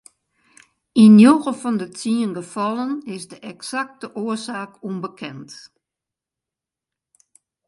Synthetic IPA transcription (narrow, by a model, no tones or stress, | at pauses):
injoːɣəfɔndətʰiənɡəfɔlˠənɪsdəʔɛksak̚təʔoəsaːkunbəkʰɛnt